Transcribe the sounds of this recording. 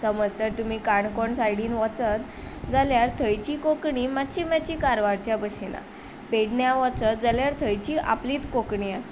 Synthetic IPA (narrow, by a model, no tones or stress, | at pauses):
səməd͡zt̪əɾt̪um̤iːkaɳkɔɳsajɽiːnʋɔt͡sət̪ | d͡zaljaɾt̪ʰəjt͡ɕiːkokɳiːmatːɕimjat͡ɕiːkaɾʋaɾt͡ɕjabəɕena̰ | peɽɳjaʋɔ̃t͡sət̪̚d͡zaljaɾt̪ʰəjt͡ɕiːʔa̰pliːt̪kokɳiːas